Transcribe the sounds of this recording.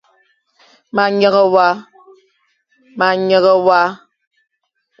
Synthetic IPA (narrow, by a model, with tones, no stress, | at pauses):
ma˨ɲə˦ɣə˦wa˦ | ma˨ɲə˨ɣə˦wa˦